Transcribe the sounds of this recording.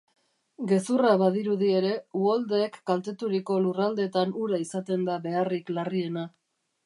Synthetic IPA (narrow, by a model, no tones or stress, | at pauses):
ɡe̞suraβaðiɾuðie̞ɾe̞uold̪e̞ːkːalt̪e̞t̪uɾiko̞lurald̪e̞t̪anuɾaisat̪e̞nd̪aβe̞ariklarie̞na